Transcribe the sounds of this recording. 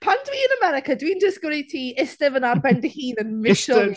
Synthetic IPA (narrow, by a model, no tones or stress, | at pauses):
pʰandwiːənəmɛɾɪkʰədwiːndɪskɾitʰiːɪstɪvənarbɛndihiːnənmɪʃə